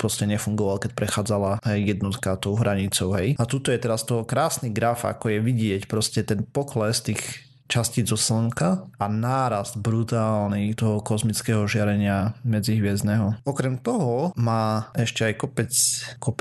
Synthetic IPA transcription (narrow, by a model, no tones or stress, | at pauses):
pɾɔscɛɲɛfuŋɡɔʋalkɛc̚pɾɛxaːd͡zalaɦɛjːɛd̪nɔt̪kat̪ɔʊɦɾaɲit͡sɔʊɦɛjat̪ut̪ɔjɛt̪ɛɾast̪ɔɦɔkɾaːsniɡɾafa̰kɔjɛʋiɟɪɛcpɾɔscɛt̪ɛnpɔklɛst̪iːx | t͡ʃasciːzɔslŋkaanaːɾazd̪bɾut̪aːlnit̪ɔɦɔkɔzmit͡skɛːɦɔʒɪaɾɛɲɪamɛd͡ziɦʋɪɛznɛɦɔɔkɾɛmt̪ɔɦɔmaːʔɛʃcɛajkɔpɛt͡skɔpɛ